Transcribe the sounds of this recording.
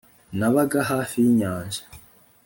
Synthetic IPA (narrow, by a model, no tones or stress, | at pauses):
naβaɡaɦaːfijiɲaːnʒḁ